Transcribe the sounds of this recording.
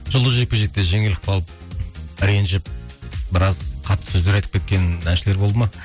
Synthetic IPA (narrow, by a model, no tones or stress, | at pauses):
ʒ̥ʊlˠd̪əze̞k̚ʲpeʒek̚t̪e̞ʒe̞ŋɪlɪpɑlˠəp̚ɾe̞nʒɪp̚bɪɾɑzqʰɑt̪ːə̥sɵzd̪e̞ɾɑjt̪ə̥pkʲet̪̚kʲe̞nænʃɪle̞ɾbo̞lˠd̪əmɑ